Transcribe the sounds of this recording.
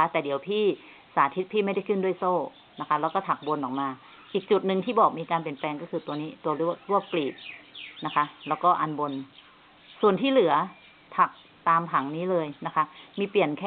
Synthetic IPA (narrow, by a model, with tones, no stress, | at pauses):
t̪ɛː˨˩di˨˩˦əwpʰiː˥˩ | saː˩˦t̪ʰi˦˥t̪̚pʰiː˥˩ma˥˩jda˥˩jkʰɯ˥˩ndu˥˩˨jsoː˥˩ | na˦˥kʰa˦˥lɛː˦˥wkɔː˥˩t̪ʰa˨˩k̚bo˧nʔɔː˨˩k̚maː˧ | ʔiː˨˩k̚t͡ɕu˨˩t̪̚nɯ˧ŋt̪ʰiː˥˩bɔː˨˩k̚miː˧kaː˧np̬i˨˩ənplɛː˧ŋkɔː˥˩kʰɯː˧t̪u˧əniː˦˥t̪u˧ɐlu˥˩ɾu˥˩əp̚kliː˨˩t̪̚na˦˥kʰa˦˥lɛː˦˥wkɔː˥˩ʔa˧nbo˧n | su˨˩ənt̪ʰiː˥˩lɯ˩˦ɐ | t̪ʰa˨˩k̚ | t̪aː˧mpʰa˩˦ŋniː˦˥lɤː˧jna˦˥kʰa˦˥miː˧pli˨˩ənkʰɛː˥